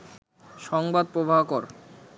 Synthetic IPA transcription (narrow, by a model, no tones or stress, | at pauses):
ʃɔŋbad̪̚pɾobʱaɦkɔɾ